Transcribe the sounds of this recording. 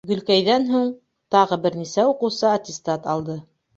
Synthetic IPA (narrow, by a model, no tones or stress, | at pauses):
ɡɵ̆lkæjðænɦuɴ | t̪ɑʁɤbɘ̆ɾnisæuqɤ̆wsɤɐt̪ʲɪst̪ɑt̪ɑlˠd̪ɤ